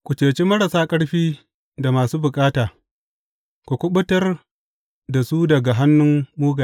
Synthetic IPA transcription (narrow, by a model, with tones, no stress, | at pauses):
kʷu˨t͡ʃeː˨t͡ʃe˦mɐ˦ɽɐ˨saː˦kʼɐ˦ɽɸiː˦ | da˨maː˨suː˦bʊ˨kʼaː˦taː˨ | kʷu˨kʷʊ˦ɓʊ˦tɐ˦r | da˨su˦dɐ˨ɡa˨ɦa˦nːʊ˦mːuː˦ɡaː˨˦